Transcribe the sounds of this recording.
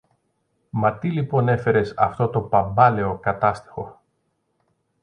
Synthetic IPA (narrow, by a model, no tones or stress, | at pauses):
mɐt̪ilipo̞ne̞fe̞ɾe̞sɐft̪o̞t̪o̞pɐmbɐle̞o̞kɐt̪ɐst̪i̥xo̞